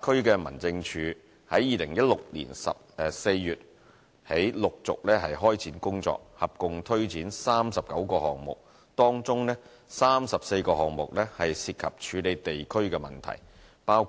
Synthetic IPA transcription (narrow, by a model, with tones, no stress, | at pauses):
kʰɵ˥ɥkɛː˧mɐ̰˨˩nt͡sɪ˧ŋt͡ʃʰyː˨˧ | hɐ˨˥jjiː˨lɪ˨˩ŋjɐ˥t̚lʊ˨k̚lḭː˨˩nsɐ̰˨p̚ːse˧jːyː˨t̚ | he˨˥jlʊ˨k̚t͡sʊ̰˨k̚lɛː˥ɦɐ˨jɦɔː˥jt͡sʰiː˨˥nkʊ˥ŋt͡sɔ̰ː˧k̚hɐ˨p̚kʊ˨ŋt̪ʰɵ˥ɥt͡siː˨˥nsaː˥msɐ˨p̚kɐ˨˥wkɔː˧hɔː˨ŋmʊ̰˨k̚ | t̪ɔː˥ŋt͡sʊ˥ŋnɛː˥ | saː˥msɐ˨p̚se˧jkɔː˧ɦɔː˨ŋmʊ˨k̚lɛː˥hɐ˨jsiː˧t̚kʰɐ˨p̚t͡ʃʰyː˨˧le˨jt̪e˨jkʰɵ˥ɥkɛː˧mɐ˨˩nt̪ʰɐ̰˨˩j | paː˥w